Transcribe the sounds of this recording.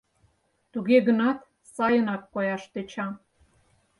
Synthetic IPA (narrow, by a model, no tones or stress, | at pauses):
t̪uɣeɣənɑt̪ | sɑjənɑkːojɑʃt̪et͡ɕɑ